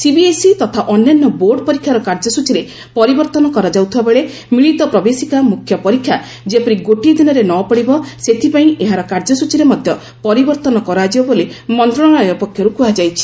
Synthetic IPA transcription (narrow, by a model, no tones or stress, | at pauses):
sibiesit̪ɔt̪ʰaʔɔnjanːɔboɾɖɔpɔɾikʰjaɾɔkaɾd͡ʒɔsut͡ʃiɾe | pɔɾibɔɾt̪ɔnɔkɔɾad͡ʒawt̪ʰibabeɭe | miɭit̪ɔpɾɔbesikamukʰjɔpɔɾikʰːja | d͡ʒepɔɾiɡoʈid̪inɔɾenɔpɔɽibɔset̪ʰipaĩʔeɦaɾɔkaɾd͡ʒɔsut͡ʃiɾemɔd̪ʱjɔ | pɔɾibɔɾt̪ɔnɔkɔɾad͡ʒibɔbolimɔnt̪ɾɔɽɔɽ̃ɭɔjɔpɔkʰːjɔɾukuad͡ʒajt͡ʃʰi̥